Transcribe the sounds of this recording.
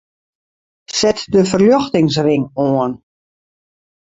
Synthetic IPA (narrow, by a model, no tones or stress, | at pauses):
sɛtdəfərljɔxtɪŋs̬rɪŋoən